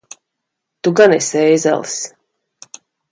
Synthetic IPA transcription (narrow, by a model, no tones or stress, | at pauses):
t̪uɡanɛsɛjza̰lˠs